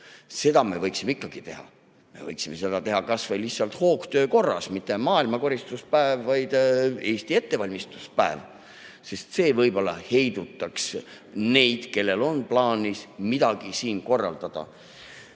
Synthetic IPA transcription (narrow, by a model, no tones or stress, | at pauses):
se̞d̪̥ɑme̞vɤjksimeikːˑɑɡ̥it̪e̞hɑ̰ | me̞̰vɤjksime̞se̞d̪ɑt̪e̞ɦɑkɑsvɑjlihsɑlt̪ho̞ːkt̪øːko̞rːɑ̰smit̪ːˑe̞mɑːilmɑko̞ɾist̪uspæevːɑjd̪̥e̞ːst̪ie̞t̪ːe̞vɑlʲmist̪u̥spæev | se̞st̪se̞ːvɤjb̥o̞lːɑ̰he̞jd̪̥ut̪ːˑɑks | ne̞jd̪̥ke̞lːe̞lo̞nplɑːnʲismid̪̥ɑɡ̥isiːnko̞rːɑ̰ld̪̥ɑd̪̥ɑ̰